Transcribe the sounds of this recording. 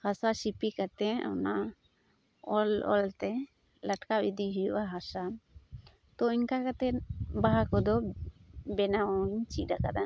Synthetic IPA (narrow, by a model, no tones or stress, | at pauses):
hasasipikat̪ɛɔ̰na | ɔlɔ̰lt̪ɛ | laʈkabid̪iɦujuʔaɦasa | t̪ɔiɲkakat̪ɛbaɦakɔd̪ɔ | bɛnaɔɲt͡ʃidaka̰d̪a